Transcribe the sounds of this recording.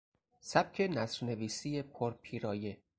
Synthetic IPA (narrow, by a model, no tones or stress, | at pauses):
sæb̚cʲʰe̞næsɾne̞viːsijepʰoɾpʰiːɾɒːje